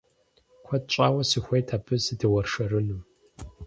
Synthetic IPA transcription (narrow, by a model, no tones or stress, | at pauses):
kʷʰɐt̚t͡ʃʼaːwɐsɨxʷejtʰaːbɨsɨdɨwɐrʂɐrɨnɨm